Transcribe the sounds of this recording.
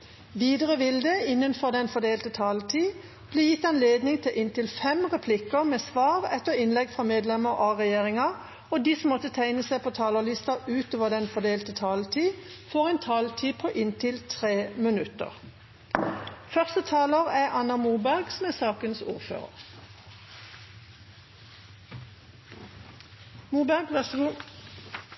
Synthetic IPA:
ʋiːd̪əʁəʋɪld̪əɪnːənfɔʁd̪ɛnfɔd̪eːlt̪ət̪ʰɑːlt̪ʰiː | b̥leːjɪt̪ːɑnleːd̪nɪŋt̪ʰɪlʔɪnt̪ɪlfɛmʁɛpʰlɪkəmeːsʋɑːʁɛt̪ːəʁɪnlɛɡfʁɑːmeːd̪lɛməʁɑʁɛjeːʁɪŋɑ | ɔd̪iːsɔmːɔt̪ːət̪ʰæɪnəsæɪpʰot̪ʰɑːləlɪst̪ɑʉːt̪oːʋəʁd̪ɛnfɔd̪eːlt̪ət̪ʰɑːlt̪ʰiːfɔːʁɛnt̪ʰɑːlt̪ʰiːpʰoːʔɪnt̪ʰɪlt̪ʰʁeːmənʉt̪ə̰ʁ | fœʁst̪ət̪ʰɑːləʁæʔɑnɑmuːbæʁɡsɔmæːsɑːkənsṵːʁfø̰ːʁə̰ʁ | muːbæɡ

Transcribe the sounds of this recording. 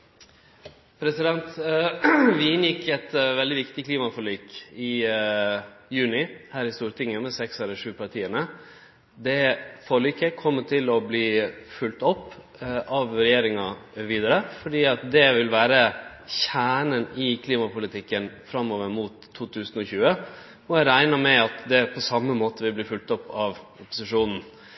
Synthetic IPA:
pʰɾɛsɪd̪ɛnt̪ | ʋɪɪnjɪkːɛt̪ʋɛld̪ɪʋɪkt̪ɪkliːmɑfɔɾɭyːkɪ | jʉːnɪhæːɾɪst̪uːɾət̪ʰɪŋːəmɛsɛksɛləʂʉːpʰɑʈʰiːənə | d̪ɛfɔliːkəkʰɔmːət̪ʰɪlɔbliːfʉlt̪ɔpː | ʔɑʋɾɛjeːɾɪŋɑʋiːd̪ɑɾəfɔɖiːɑt̪̚d̪ɛʋɪlʋæːɾə | çæːɳənɪkʰliːmɑpʊlɪt̪ʰɪkːənfɾɑmːoːʋəɾmut̪ʰːuːt̪ʰʉːsn̩ɔçʉːə | ɔæɾæɪnɑmɛɑt̪d̪ɛpʰɔsɑmːəmoːt̪əʋɪblɪːfʉlt̪ɔpːɑʋʊpʊ̥sɪʂuːnn̩

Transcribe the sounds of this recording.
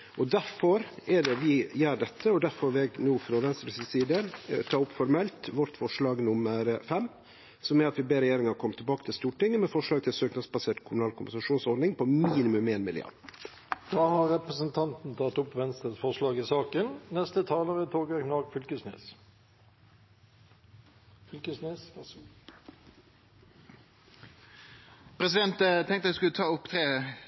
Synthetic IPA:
ʔɔd̪æɾfɔɾɛɖɛʋɪjæːɖɛt̪ʰːəɔd̪æɾfɔɾʋɪɛɡnuːfɾɑʋɛnst̪ɾəpʰssiːd̪ənt̪ʰɑːʊpːfɔɾmɛlt̪ʋɔʈ̪fɔʂlɑːɡnʊməɾfɛmː | sɔmɛɾɑt̪ʋɪbeːɾɛjeːɾɪŋɑɾkʰɔmət̪ʰːɛbɑːkət̪ʰɪlst̪uːʈɪŋːəmɛfɔʂlɑːɡ̚t̪ʰɪlsøːknɑsbɑseːʈkʰʊmʊnɑːlkʰʊmbənsɑʂuːnsɔɾd̪nɪŋpʰɔmiːnɪmʉmeːnmɪljø̰ː | d̪̥ɑːhɑʁːɛpʁəsənt̪ʰɑnt̪n̩t̪ʰɑt̪ʊpʋɛnst̪ɾəsfɔʁʂlɑːɡɪsɑːkənnɛst̪ət̪ʰɑːləʁət̪ʰoːɡəɛknɑɡfʏlkəsnḛːs | fʏlkəsneːs | pʰɾɛsɪd̪ɛnt̪t̪ʰɛŋkt̪əæskʉlət̪ʰɑːʊpt̪ʰɾeː

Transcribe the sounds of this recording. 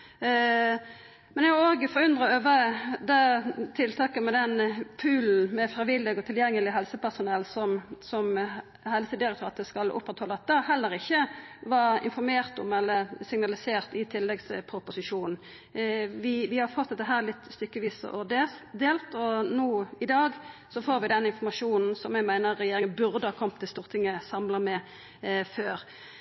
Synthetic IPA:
mɛnɛoːɡfɔɾʉnd̪ʁəøːʋəd̪ɛt̪ʰɪlt̪ʰɑːkəmɛd̪ɛnpʰʉːln̩mɛfɾɪʋɪlːɪɡɔt̪ʰɪljɛŋːəlɪɦɛlsəpæʁsʊnɛlːsɔmsɔm | hɛlst̪əd̪ɪɾɛkt̪ʰɾɑːt̪əskɑlʔʊ̰pːʁɛt̪hɔlːəɑt̪̚d̪ɑɦɛlːəɾɪçːəʋɑɾɪ̰nfɔɾmeːʁt̪ɔmɛlːəsɪŋnɑlɪseːʁt̪ɪt̪ʰɪlːɛɡspʰɾʊpʊsɪʃuːnn̩ | ʋɪʋɪhɑɾfɔt̪ːd̪ɛt̪ːəɦæːʁlɪt̪ːst̪ʏkːəʋiːsə̰ʔod̪eːsd̪eːlt̪ɔnuːɪd̪ɑːɡsɔfoːɾʋɪd̪ɛnɪnfɔmɑʂuːnn̩sɔmjæɡmæɪnəʁːɛjeːɾɪŋənbʉʁd̪əhɑːkʰɔmt̪ʰːɪlst̪uːʁt̪ʰɪŋːəsɑmlɑmɛ | føːʁ

